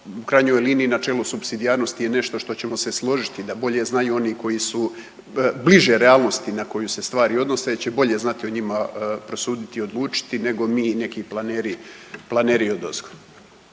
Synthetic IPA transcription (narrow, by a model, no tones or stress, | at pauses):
ukɾajɲo̞jliːniːnat͡ʃelusubsid̪ijaːɾno̞st̪ijene̞ʃt̪o̞ʃt̪o̞t͡ɕe̞mo̞seslˠo̞ʒit̪id̪abo̞ʎe̞znajuo̞niːko̞jisu | bliʒe̞ɾeaːlˠno̞st̪inako̞juse̞st̪ʋaːɾio̞d̪no̞seit͡ɕe̞bo̞ʎe̞znat̪io̞ɲimapɾo̞suːd̪it̪io̞d̪lˠuːt͡ʃi̥t̪ine̞ɡo̞miːne̞kiːplˠaneːɾiplˠaneːɾiod̪ozko